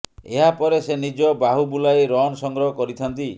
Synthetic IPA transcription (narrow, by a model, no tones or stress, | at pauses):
eɦapɔɾesenid͡ʒɔbaɦubulajɾɔnsɔŋɡɾɔɦɔkɔɾit̪ʰant̪i